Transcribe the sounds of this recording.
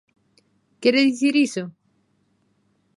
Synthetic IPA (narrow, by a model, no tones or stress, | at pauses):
kɛɾeðiθiɾiso